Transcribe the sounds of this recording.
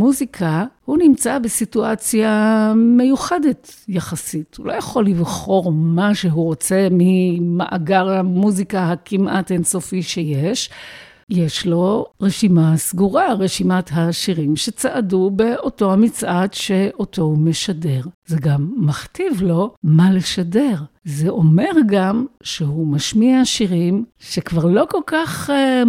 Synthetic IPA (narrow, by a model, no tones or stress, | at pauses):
muzikʰahunimt͡sabesituat͡sjame̞juχedetjaχasithulo̞jaχo̞lːivχo̞ʁmaʃeɦuʁo̞t͡se̞mimaʔa̰ɡaʁamuzikahakimʔatenso̞fiʃeje̞ʃ | je̞ʃlo̞ʁeʃimasɡuʁaʁeʃimatɦaʃiʁimʃet͡saʔadube̞o̞to̞hamit͡sʔatʃeʔoto̞meʃade̞ʁzeɡamːaχtivlo̞maleʃade̞ʁzeʔo̞me̞ʁɡamʃeɦumaʃmiaʃiʁimʃekvaʁlo̞ko̞lkaχ